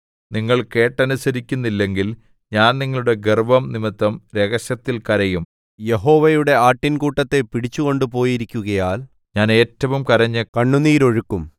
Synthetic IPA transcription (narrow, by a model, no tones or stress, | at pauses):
niŋːɐɭke̞ːʈːɐnusɐɾikʲːunːilːe̞ŋɡil | ɲaːnniŋːɐɭuɽe̞ɡerbɐmnimit̪ːɐmɾe̞ɣɐɕɐt̪ːilkɐɾɐjum | je̞ɦo̞ːʋɐjuɽe̞aːʈːinkuːʈːɐt̪ːe̞piɽit͡ɕːuɣo̞ɳɖupo̞ːjiɾikʲːuɣɐjaːl | ɲaːne̞ːtːɐʋumkɐɾɐɲːɨkɐɳːuniːɾo̞ɻukːum